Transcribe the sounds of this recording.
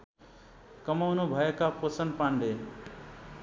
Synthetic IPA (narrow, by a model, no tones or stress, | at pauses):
kəmawnobʱajəkaposənpãːɳɖeː